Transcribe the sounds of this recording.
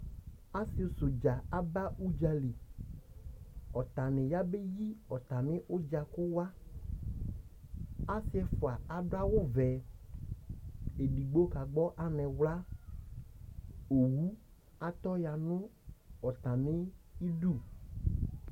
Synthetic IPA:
a˦sɪ˨˦˨sʊ˨d͡ʒa˨a˨ba˦u˦d͡ʒa˨li˨ | ɔ˨t̪a˨nɪ̃˨ja˦be˦ji˦ɔ˨t̪a˨mɪ̃˦ʔʊ˦d͡ʒa˨kʊ˦wa˦ | a˦sɪ˦ɛ˦fʊ˨a˨a˨ɖʊ˦a˦wʊ˦vɛ˨ | e˨ɖi˨ɡ͡bo˦ka˨ɡ͡bɔ˦ʔa˨nɛ̃˨wla˦ | o˨wu˦ | a˨t̪ɔ˦ja˨nʊ̃˦ɔ˨t̪a˨mɪ̃˦i˦ɖu˦˨

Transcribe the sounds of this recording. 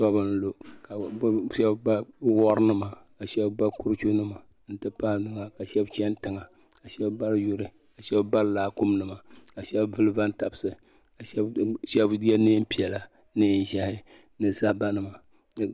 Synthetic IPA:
sɔ˦bɨ˦n̩˦lo˨ka˨˦ʃɛ˦bba˦wɔ˦ɾɨ˦nɨ˦ma˨ka˨ʃɛ˦bba˦ku˦ɾɨ˦t͡ʃʲu˦nɨ˦ma˨ | n̩˦tɨ˦pa˦nɨ˨ŋa˨ka˨ʃɛ˦bt͡ʃɛ˦n˦tɨ˨ŋa˨ | ka˨ʃɛ˦bba˦ɾjʊ˦ɾɨ˨ | a˨ʃɛ˦bba˦llaː˦ku˦mnɨ˨ma˨ka˨ʃɛ˦bvɨ˦lɨ˦va˦nta˨bɨ˨sɨ˨ | ka˨ʃɛ˦bʃɛ˦bɛ˦ne˦m̩˦pi˨ɛ˨la˨ | nɨ˦n̩˨ʒa˦hɪ˦ | nɨ˨sa˦hba˦nɨ˨ma˨

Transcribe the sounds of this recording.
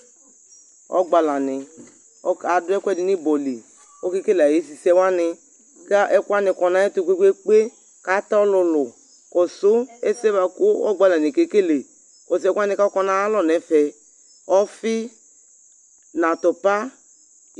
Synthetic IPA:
ɔ̰˦ɡ͡ba˨la˨nɪ˨ | ɔ˦a˨dʊ˦ɛ˦kʷɛ˦˨dɪ˨˦nɪ˦bɔ˨li˨ | o˦ke˦ke˦la˨je˨˦si˨sɛ˦wa˦nɪ˧ | ka˦ʔɛ˦kʷa˦nɪ˨kɔ˨na˨˦ɛ˦tu˨kʷe˦kʷe˦k͡pe˦ | ka˦ta˦ɔ˦lʊ˧lʊ˨ | kɔ˨sʊ˦ɛ˦sɛ˦ba˨kʊ˦ɔ˦ɡ͡ba˨la˨nɪ˨ke˨˦ke˦le˨ | kɔ˨s̬ɛ˦kʷa˦nɪ˨ka˦ɔ˦kɔ˦na˦a˦lɔ˨nɛ˨fɛ˨ | ɔ˦fɪ˦ | na˨tɔ˨pa˦

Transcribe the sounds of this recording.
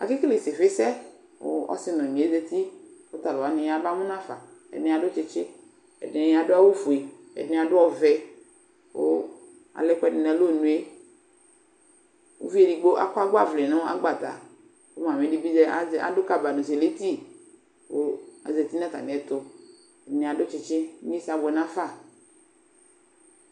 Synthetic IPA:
a̰˨ki˦kle˨sɪ˨fɪ˦sɛ˦ | wo̰˦ɔ̰˦sɪ˦nɔ̃˨ɲẽ˨e˦zɛ˦t̪i˦wo˦t̪a˨lo˨a˨˦nɪ̃˨ja˨ba˦ŋũ˦nã˦fa˨ɛ̰˨dnɛ̃˨˦a˨do˦t͡ʃe˨t͡ʃe˦ | ɛ̰˨dɛ̃˨ja˨dʊ˦a˦wo˦fu˨e˨ | ɛ̰˨dnɛ̃˦a˨dʊ˦ɔ˦vɛ˨ | wo̰˦ | a̰˨lɛ˦kɛ˦nɪ˨nɛ̃˨lo˦˨nũ˨˦e˦ | wo̰˦vi˦e˦˨ɖi˨ɡ͡bo˦ʔa̰˦ko˦a˦ɡ͡ba˦˨vle˨nã˦o˦a̰˦ɡ͡ba˨t̪a̰˨ | wo˦mã˨mẽ˨ɖi˦bi˦ze˦a̰˨do˦ka˦ba˨nũ˨se˨le˦t̪i˦ | wo˦a̰˨ze˨t̪i˦nã˦t̪a̰˨nẽ˨ɛ˨t̪o˦ | e˨˦nẽ˨a˨ɖo˦t͡ʃe˨t͡ʃe˦e˦sa˨bɛ˨nã˦fa˦˨

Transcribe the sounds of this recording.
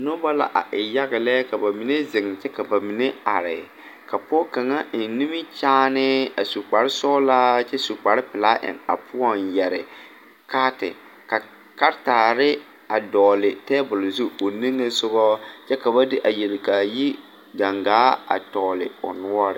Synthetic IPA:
nʊ˦ba˦la̰˨ʔa̰˨ʔɪ˨ja˦ɣɪ˨lɛ˦ka˨ba˨mi˨ne˦zɪ˨ŋ˨t͡ʃɛ˦ka˨ba˨mi˨ne˦a̰˨ɾɪ˨ | ka˨pɔ˦ka˨ŋa˦ɪ˨n˦ni˦mɪ˦t͡ʃaː˦nɪ˦a˨su˨k͡pa˨ɾɪ˦sɔ˦la˦t͡ʃɛ˦su˨k͡pa˨ɾɪ˦pɪ˨laː˦ʔɪ̰˨na̰˨pʰʊ˦ɔ˦˨njɛ˨ɾɪ̰˨ | kaː˦tɪ̰˨ | ka˨ | ka˦ɾtaː˨ɾɪ˦ | a˨dɔː˨lɪ˨tɛː˦bʊ˨lzu˦o˨ni˦ŋːɨ˦sʊ˦bɔ˦t͡ʃɛ˦ka˨ba˦dɪ˦ʔa˨je˨lɪ˨ka˨ji˦ | ɡa˨ŋɡaː˨˦a̰˨tɔː˨lɪ̰˨ʊ̰˨nʊ˦ɔ˦ɾɪ̰˨

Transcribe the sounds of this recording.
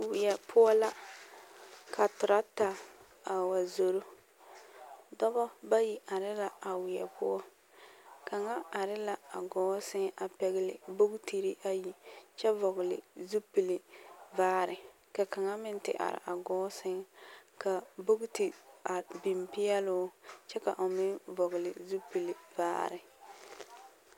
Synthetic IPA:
wɪ˨jɛ˨pʰʊ˦ɔ˦la˦ | kʰa˨tʊ˨ɾa˦ta˨ | a˨wa˨zo˨ɾo˦ | dɔ˦bɔ˦ba˦ji˨a˨ɾɪ˦la˨a˨wɪ˨jɛ̰˨pʰʊ˦ɔ˦ | ka˨ŋa˦a˨ɾɪ˦la˨a̰˨ɡɔː˨˦sɪ˦ŋa˨pɛ˨ɣɪ˦lɪ̰˨bo˦ɡti˨ɾɪ˦ʔa˦ji˨t͡ʃɛ˦vɔ˨ɣɪ˨lɪ̰˨zu˦pi˨lɪ˨vaː˦ɾɪ˨ | ka˨ka˨ŋa˦mɪ˦n˦tɪ̰˨ʔa̰˨ɾɪ̰˨ʔa˨ɡɔː˦sɪ˦ŋka˨bo˦ɡti˨a˨bi˨mpɪ˦jɛ˦lʊ˦t͡ʃɛ˦ka˨ʔo˨mɪ˦vɔ˨ɣlɪ˨zu˦pi˨lɪ˨va̰ː˦ɾɪ˨

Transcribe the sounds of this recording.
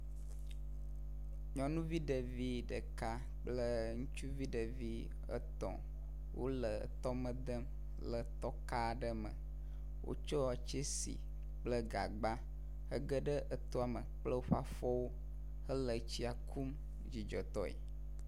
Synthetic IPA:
ɲɔ̃˦nũ˦vi˦ɖə˨vi˦ɖə˨ka˦ | k͡plə˦ŋũ˦t͡ʃu˦vi˦ɖə˨vi˦ | ə̰˦t̪ɔ̰̃˨ | wo̰˦lə˨ə̰˨t̪ɔ˦mə̃˦d̪ə˦m | lə˨t̪ɔ˦ka˦˨ɖə˦mə̰̃˨ | wʔo̰˦t͡ʃɔ˦a˨t͡ʃe˦sḭ˨ | k͡plə˦ɡa̰˨ɡ͡ba˦ | hə˦ɡə˦ɖə˦ʔə˦t̪o˦a˨mə˨k͡plə˦wo˦ɸa˦fɔ˦wo˦ | hə˦lə˨t͡ɕi˦a˨kʰu˦m | d͡ʑi˨d͡ʒɔ˨t̪ɔ˦ḛ˨

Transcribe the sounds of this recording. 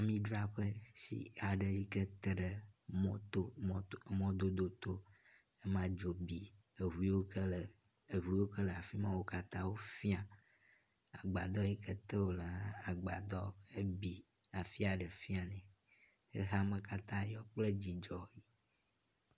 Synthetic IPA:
a˨mĩ˦ɖɾa˦ɸə˦sḭ˦a˨ɖə˨li˦kə˦t̪ə˦ɖə˨mɔ̃˦t̪o˦mɔ̃˦d̪o˦d̪o˦t̪o˦ | e˦mã˦d͡ʒo˨bi˨ | e˨ɦu˨˦i˦wo˦kə˦lə˨ | e˨ɦu˨˦i˦wo˦kə˦lə˨a˨fi˦mã˦wo˦ka˦t̪ã˦wo˦fi˦a˨ | a˨ɡ͡ba˨d̪ɔ˦ji˦kə˦t̪ə˦wo˦lə˨ɦã˦a˨ɡ͡ba˨d̪ɔ˦e˦bi˨ | a˨fi˦a˨ɖə˨fi˦a˨nɛ̃˨ | ə̰˦ɦa˦mə˦ka˦t̪ã˦jɔ˦k͡plə˦d͡ʑi˨d͡ʒɔ˨i˦

